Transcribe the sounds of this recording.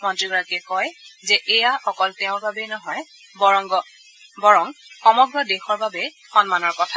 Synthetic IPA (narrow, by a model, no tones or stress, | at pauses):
mɔntɹiɡɔɹakɛkɔjzɛʔejaxɔkɔlteʊ̃ɹbabɛnɔɦɔj | bɔɹɔŋɡɔ | bɔɹɔŋxɔmɔɡɹɔdexɔɹbabɛ | xɔnmanɔɹkɔtʰa